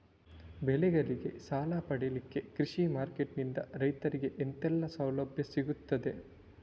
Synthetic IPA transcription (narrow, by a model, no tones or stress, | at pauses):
bɛlɛɡɐɾiɡe̞saːlapɐɽelikːe̞kɾiʂimaːɾkeʈnind̪ɐ̰ɾɐjt̪ɐɾiɡeʔent̪ɛlːɐsɐwlɐbʱjɐsiɡut̪ːɐd̪e̞